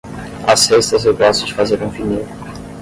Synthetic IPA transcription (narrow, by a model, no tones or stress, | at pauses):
asest̪ɐzewɡɔsʊd͡ʒɪfazeɾũfiniɾ